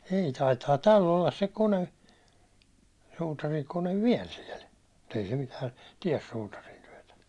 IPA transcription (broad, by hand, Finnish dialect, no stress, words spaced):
ei tɑitɑː tælː olːɑs se kone suːtɑriŋkone ʋiɛl siɛl mut ei se mitæː tiɛs suːtɑrintyøtæ